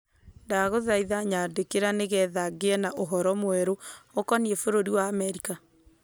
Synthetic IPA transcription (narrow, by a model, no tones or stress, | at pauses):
ndaɣoðaiðaɲadekeɾaneɣɛðaɡeɛnaʔoɦɔɾɔmwɛɾookɔniefoɾoɾiwaːmɛɾika